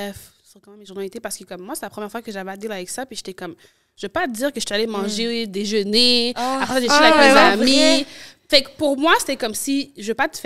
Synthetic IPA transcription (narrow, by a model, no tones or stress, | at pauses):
bɛfsəʁkɑ̃mɛ̃minʒuʁnalit̪epaʁsə̥kəkɔmːwaset̪ɛlapχəmjɛʁfwakəʒavad̪elavɛksapɥiʒ̥et̪ɛkɔm | ʒəvøpad̪iːʁkəʒə̥t̪ɛalemɑ̃ʒed̪eʒəneapχɛsaʒeiaɛkzami | fɛkpuʁmwase̥t̪ɛkɔmsiʒəvøpat̪ə̥f